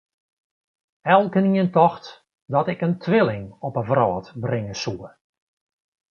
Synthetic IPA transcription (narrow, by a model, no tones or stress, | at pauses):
ɛlˠkəniəntɔxt | dɔtɪkəntʰʋɪlˠɪŋɔpəvrɔːtbrɪŋəsuə